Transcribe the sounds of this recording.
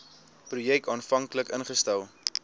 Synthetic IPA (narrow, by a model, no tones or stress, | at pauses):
prujɛk̚tɑːnfɐŋkləkənχəstælˠ